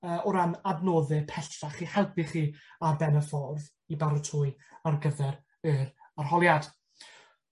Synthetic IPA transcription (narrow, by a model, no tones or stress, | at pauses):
əːʔɔɾanadnoːðɨpʰɛθaχihɛlˠpɪχiːarbɛnəfɔrð | ibaɾʊtʰʊɨarɡəðɛɾ | ɨɾarhɔlˠjad̥